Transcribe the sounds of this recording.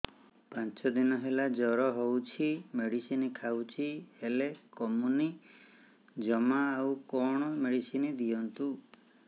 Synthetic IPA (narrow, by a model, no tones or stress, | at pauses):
pãnt͡ʃɔd̪inɔɦelad͡ʒɔɾɔɦowt͡ʃʰimeɽisinikʰawt͡ʃʰihelekɔmuni | d͡ʒɔmaːwkɔɽ̃ɔmeɽisinid̪ijɔnt̪u